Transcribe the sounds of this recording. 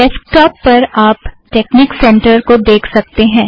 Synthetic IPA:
ɖɛsk̚ʈɔːpːɐɾaːpʈeːkniːksɛ̃ɳʈəɾkod̪eːkʰsɐk̚t̪eɦɛ̃ː

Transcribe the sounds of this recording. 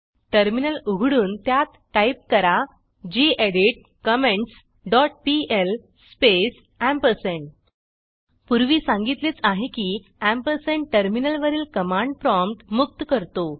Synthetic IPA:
ʈəɾminəluɡʱɽuːnt̪jat̪ːajip̚kəɾa | d͡ʑieɽiʈ̚ | kəmẽɳʈs | ɖɔʈ̚piel | spes | æ̃mpəɾsẽɳ | puɾʋiːsãŋɡit̪leːt͡saɦekiː | æ̃mpəɾsẽɳ̚ʈəɾminəlʋəɾiːlkəmãɳɖ̚pɾɔmpʈmuk̚t̪kəɾt̪o

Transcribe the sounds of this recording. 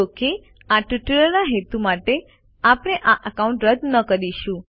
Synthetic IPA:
oke | aʈiʈəɭənaɦet̪umaʈe | apəɽ̃eʔaʔəkaũɳʈɾəd̪nəkəɾiʃũ

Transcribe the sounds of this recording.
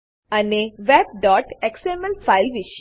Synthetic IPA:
aneʋeb̚ɖɔʈeksemelfailʋiʃ

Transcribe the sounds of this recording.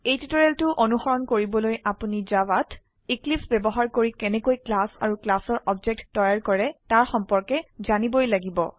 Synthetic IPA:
ejtitɔɹɛltʊʔonuxɔɹɔnkoɹibɔlojapunizawat | iklipʰsbɛbɔɦaɹkoɹikɛnɛkojklasa̰ɹuklasɔɹʔɔbd͡ʒɛk̚tːɔjaɹkɔɹɛtaɹxɔmpɔɹkɛzanibojlaɡibɔ̰

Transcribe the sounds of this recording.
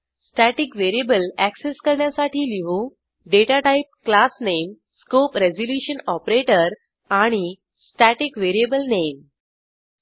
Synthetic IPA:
sʈæʈikʋeɾiebəlækseskəɾɳjasaʈiːliʋũ | ɖeʈaʈaip̚klasnem | skopɾezd͡ʑoljuɕənɔpɾeʈəɾ | aɽ̃i | sʈæʈikʋeɾiebəlnem

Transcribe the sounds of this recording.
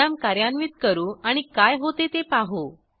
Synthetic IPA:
amkaɾjanʋiːt̪̚kəɾuːaɽ̃ikajɦot̪et̪epaɦo

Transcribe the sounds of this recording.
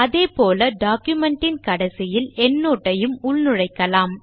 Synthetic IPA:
ɐðeːpoːlɐɖaːkjʊmɛɳʈɪnkɐɽɐsɪjɪlɛnːoːʈːɐjɯmʊɭnɯɻɐɪkːɐlaːm

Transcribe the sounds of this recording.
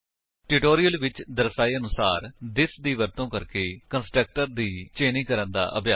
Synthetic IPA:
ʈɪʈoːɾijəlʋɪt͡ʃd̪əɾsaːiːənʊsaːɾd̪ɪsd̪iːʋəɾt̪õːkəɾkeːkənsʈək̚ʈəɾd̪iːt͡ʃeːnĩːkəɾənd̪a̰ːʔə̰pjaː

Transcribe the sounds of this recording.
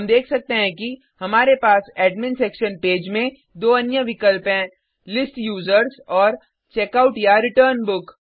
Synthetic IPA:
ɐmd̪eːkʰsɐk̚t̪eɦɛ̃ki | hɐmaːɾepaːsɛːɖmɪnsɾeːkʃənpeːd͡ʒmẽ | d̪oːɐnjəʋɪkəlpẽ | lɪsʈjuːzəɾsɔːɾ | t͡ʃeːkaʊʈjaɾɪʈəːɾnbʊk

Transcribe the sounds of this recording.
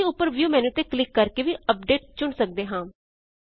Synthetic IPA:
eːʊpːəɾʋjuːmɛ̃ːnũːt̪eːklɪkːəɾkeːʋiːəp̚ɖeːʈ̚t͡ʃʊɳsək̚d̪eːɦãː

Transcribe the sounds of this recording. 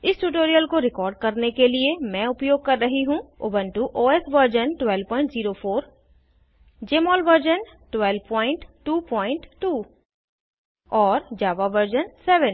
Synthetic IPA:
ɪsʈuʈ̬oːɾijəlkoɾɪkɔːɾɖ̚kɐɾnekeliemɛ̃ʊpjoːɡ̚kɐɾːɐɦiɦũo̰ːbənʈuʔoːesʋəɾd͡ʒənʈwɛːlpɔ̃ːɪ̃ɳʈziːɾofʰoːɾ | d͡ʒeːmɔːlʋəɾd͡ʒən | ʈwɛːlʋpɔ̃ːɪ̃ɳʈʈuːpɔ̃ːɪ̃ɳʈʈuː | ɔːɾd͡ʒaːʋaʋəɾd͡ʒənsɛːʋə̃n

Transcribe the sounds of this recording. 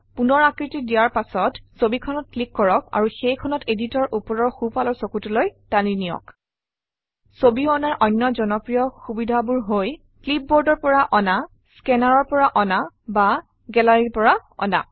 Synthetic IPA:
punɔɹakɹitidijaɹpasɔtsobikʰɔnɔt̚klikːɔɹɔk̚a̰ɹuxejkʰɔnɔteditɔɹʔupɔɹɔɹxupalɔɹsokutulojtaninijɔ̰k | sobiɔnaɹʔɔjnːɔzɔnɔpɹijɔxubidʱabuɹɦoj | klip̚bɔɹdɔɹpɔɹaʔɔna | skɛnaɹɔɹpɔɹaʔɔna | ba | ɡɛlaɹiɹpɔɹaɔ̰na̰

